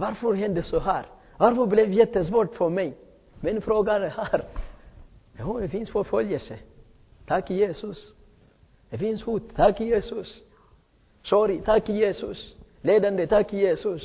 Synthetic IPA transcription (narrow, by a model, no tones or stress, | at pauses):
ʋaɾfɔɾɦɛnd̪əsɔɦæːɾ | ʋaɾfɔɾblɛʋjɛt̪ːəs̬ʋɔʈfɔɾmɛɪ | mɛnfɾoːɡanəhæɾ | d̪ɛhud̪ɛfɪnsfɔɾfœljəsə | t̪ʰɑkːɪjeːsʊs | d̪ɛfɪnshuːt̪t̪ʰːɑkːɪjeːsʊs | soːɾɪt̪ʰɑkːɪjeːsʉs | leːd̪and̪ət̪ʰɑkːɪjeːsʉs